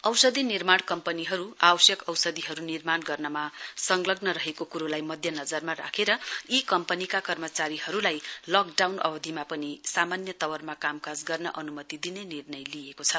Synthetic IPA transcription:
ʌwsʌd̪inirmaɽkʌmpʌniɦʌɾuabʌsjʌkʌwsʌd̪iɦʌɾunirmanɡʌrnʌmasʌŋɡlʌɡnʌɾʌɦekokuɾolajmʌd̪ʱjʌnʌd͡zʌrmaɾa̰kʰeɾʌikʌmpʌnikakʌrmʌt͡saɾiɦʌɾulajlʌk̚ɖawnʔʌ̰bʌd̪ʱimapʌnisamanjʌt̪ʌwʌrmakamkad͡zɡʌrnʌʔʌnumʌt̪id̪inenirnʌjliekot͡sʰʌ

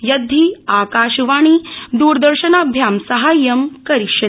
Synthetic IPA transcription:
jɐd̪ʱːiːaːkaːʃʋaːɽ̃id̪uːɾd̪ɐɾʃɐnaːbʱjaːmsɐɦaːjɐmkɐɾiʂjɐt̪

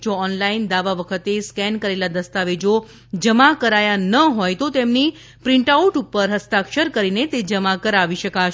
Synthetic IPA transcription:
d͡ʒoɔnlaind̪aʋaʋəkʰət̪eskɛnkəɾelad̪əst̪aʋed͡ʒo | d͡ʒəmakəɾajanəɦojt̪ot̪emni | pɾɪ̃ɳʈauʈupəɾɦəst̪akʃəɾkəɾinet̪ed͡ʒəmakəɾaʋiʃəkaʃ

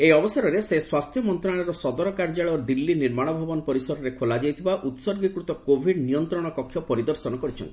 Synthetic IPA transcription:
ejɔbɔsaɾɔɾeseswast̪ʰjɔmɔnt̪ɾaɭ̃ɔɾɔsɔd̪ɔɾɔkaɾd͡ʒaɭɔd̪ilːiniɾmaɽ̃ɔbʱɔbɔnɔpɔɾisɔɾɔɾekʰolad͡ʒejt̪ʰibaʔut̪sɔɾɡikɾut̪ɔkobʱiɖnijɔnt̪ɾɔɽ̃ɔkɔkʰjɔpɔɾid̪ɔɾsɔnɔkɔɾit͡ʃʰɔ̰nt̪i̥

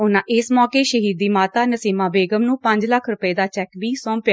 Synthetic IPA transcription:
ʊnãːʔɪsmɔːkeːʃəɦiːd̪ːiːmaːt̪aːnəsiːmãːbeːɡəmnũːpəɲd͡ʒləkʰɾʊpəeːd̪aːt͡ʃɛːkbiːsɔ̃ːmpɪjaː

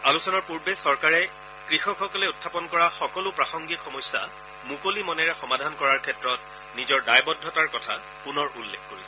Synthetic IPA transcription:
alusɔnɔɹpuɹbɛsɔɹkaɹɛ | kɹixɔxɔkɔlɛutʰːapɔnkɔɹaxɔkɔlʊpɹaxɔŋɡixɔmɔjsːa̰ | mukolimɔnɛɹɛxɔmadʱankɔɹaɹkʰɛtɹɔt̚ | nizɔɹdajbɔdʱɔtaɹkɔtʰa | kʊnɔɹʔulːekʰkoɹisɛ

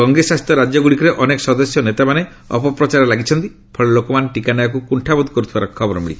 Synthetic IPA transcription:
ɔŋɡesast̪ɔɾad͡ʒɔɡuɽikɾeʔɔnekɔ̥sɔd̪ɔsjɔnet̪amane | ɔ̰pɔpɾɔt͡ʃaɾɔlaɡit͡ʃʰɔnt̪i | pʰɔɭelokɔmanʈikanɔjɔk̬ukuɳʈʰabud̪kɔɾut̪ʰibaɾɔkkʰɔbɔɾɔmḭɭḭ

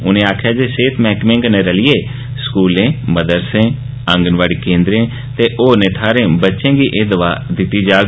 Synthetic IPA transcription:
ʊ̰nẽːaːkʰjaːd͡ʒeːseːt̪ʰmɛːkmẽːŋɡnẽːɾəlɪjeː | skuːlẽːməd̪əɾsẽː | əŋɡənʋaːɽiːkẽːnd̪ɾẽː | t̪eːʔoːneːʈʰaːɾẽːbətːʃẽːɡiːʔeːd̪əʋaːd̪ɪt̪ːiːd͡ʒaː

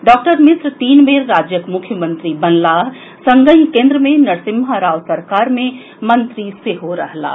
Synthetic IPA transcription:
ɖɔːk̚ʈəɾmɪsɾt̪iːnbeːɾɾaːd͡ʒjəkmʊkʰːjəmə̃nt̪ɾibɐnlaːɦ | sɐ̃ŋɡəɦikẽːnd̪ɾəmẽnɐɾsɪmɦaɾaːʋsɐɾkaːɾmẽ | mɐ̃nt̪ɾiseɦoɾɐɦla̰ː

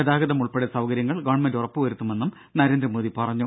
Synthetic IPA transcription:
ɐðaːɡɐðɐmuɭpeɽesɐʋkɐɾjɐŋːɐɭɡɐʋɐɳmendurɐpːɨʋɐɾut̪ːume̞nːum | nɐɾe̞ːnd̪ɾɐmoːðipɐrɐɲːu

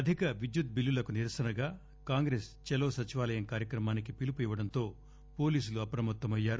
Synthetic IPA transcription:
ɐd̪ʱikɐʋid͡ʒjut̪̚bilːulɐkuniɾɐsɐnɐɡaː | kaːŋɡɾeːst͡ʃɛlɐːsɐt͡ʃiʋaːlɐjɐmkaːɾjɐkɾɐmaːnikipilipuiʋɐɽɐnt̪o̞ː | po̞ːliːsuluɐpɾɐmɐt̪ːɐmɐjːaːɾu

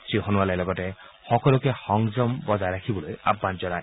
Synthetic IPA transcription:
sɾiɦɔnualelɔɡɔte | hɔkɔlɔkehɔŋd͡ʒɔmbɔd͡ʒajɾakʰibɔloja̰bːand͡ʒɔɾa

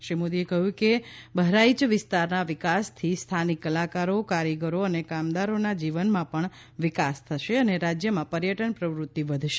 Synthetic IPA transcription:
ʃɾimod̪iekəɦjũkebəɦɾait͡ʃʋɪst̪aɾnaʋɪkast̪ʰist̪ʰanikːəlakaɾokaɾəɡəɾoənekamd̪aɾonad͡ʒiʋənmãpəɳ | ʋɪkast̪ʰəʃeəneɾad͡ʒjəmãpəɾjəʈənpɾəʋɾut̪ːiʋəd̪ʱʃe

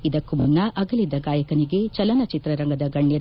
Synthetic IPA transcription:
id̪ɐkːumunːɐʔɐɡɐlid̪ɐɡaːjɐkɐniɡe̞t͡ʃɐlɐnɐt͡ʃit̪ɾɐɾɐŋɡɐd̪ɐɡɐɳːɛɾ

